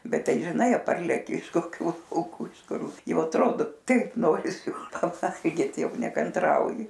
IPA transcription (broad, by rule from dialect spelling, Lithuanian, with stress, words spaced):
ˈbʲɛt ˈtɐɪ ʒʲɪˈnɐɪ ˈpɐrʲlʲɛkʲɪ ɪʃ koːˈkʲuː lˠɐʊˈkuː ɪʃ ˈkʊr ˈjɛʊ ɐtˈroːdoː ˈtɐɪp ˈnoːrʲɪsʲɪ pɐˈʋɐlʲɡʲiːt ˈjɛʊ nʲɛkɐnˈtrɐʊjɪ